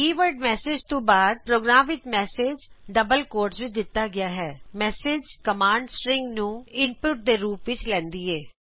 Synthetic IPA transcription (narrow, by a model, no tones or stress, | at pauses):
kiːʋəɾɖmɛːseːd͡ʒt̪õːbaːd̪̚pɾoːɡɾaːmʋɪt̪mɛːseːd͡ʒɖəbəlkoːɾʈsʋɪt͡ʃd̪ɪt̪ːaɡɪjaːɦɛːmɛːseːd͡ʒkəmaːɳɖsɾɪ̃ŋɡnũːɪnpʊʈ̚d̪eːɾuːpʋɪt͡ʃlɛ̃ːnd̪iːɛː